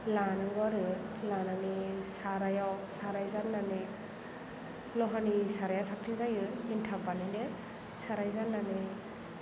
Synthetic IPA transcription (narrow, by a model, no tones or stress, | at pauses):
lanɯɡɔɾɯlananisaɾajawsaɾajzanːanɯ | lɔɦanisaɾajasak̚tʰinzajɯintʰapanɯle | saɾajzanːanɯ